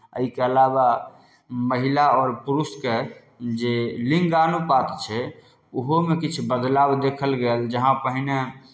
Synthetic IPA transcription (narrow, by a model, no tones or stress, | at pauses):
ə̰ikeəlaba | məɦilaɔːɾpuɾuske | d͡ʒeliŋɡanupat̪t͡ʃʰɛ | uɦomekit͡ʃʰbəd̪labd̪ekʰəlɡeld͡ʒəɦãpəɦine